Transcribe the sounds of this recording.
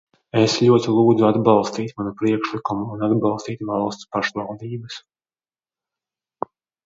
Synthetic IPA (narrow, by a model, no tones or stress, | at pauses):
eslʲuɔt̪ilˠuːd̪zuad̪bɑlˠst̪iːt̪manupɾiɛkʃlˠikumuːnad̪bɑlˠst̪iːt̪valˠst̪paʃvɑlˠd̪iːbəs